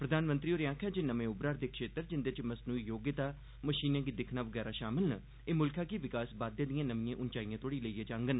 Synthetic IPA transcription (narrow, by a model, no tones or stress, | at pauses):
pɾəd̪ʱaːnmə̃nt̪ɾiːoːɾjãːkʰãːd͡ʒenəmẽːʊbɾaːɾd̪eːkʃeːt̪əɾd͡ʒɪnd̪et͡ʃməsnuːijoːɡjɪt̪aː | məʃiːnãːɡid̪ɪkʰnaːʋəɡɛːɾaːʃaːmɪlnə | eːmʊlkʰãːkiʋɪkaːsbaːd̪jãːd̪ijãːnəmijãːʔʊnt͡ʃaːijãːt̪ʰoːɽiːləiːãːd͡ʒãːŋɡən